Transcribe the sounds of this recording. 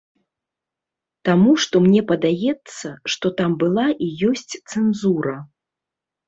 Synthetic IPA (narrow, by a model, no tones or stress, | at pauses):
t̪amuʂt̪ɔmnʲɛpɐd̪ajɛt̪sːɐʂt̪ɔt̪ambɨlˠaʔijɔsʲt͡sʲt̪sɛnzuɾɐ